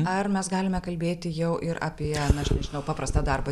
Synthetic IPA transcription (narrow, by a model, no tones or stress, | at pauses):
ɐrmʲɛsɡɑːlʲɪmʲɛkɐlʲbʲeːt̪ʲɪjɛʊʔɪɾɐ̰ːpʲiɛnɐʃnʲɛʒʲɪnɐʊpɑːpɾɐst̪ɑːd̪ɐrbɐ